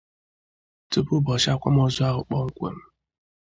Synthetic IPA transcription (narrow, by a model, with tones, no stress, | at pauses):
to˨pʊ˦bɔ˨ʃa˦kʷa̰˦m˦ɔ˦zʊ˦a˦ɦʊ˨k͡pɔ˦ŋ̩˦kʷḛ˨m̩˦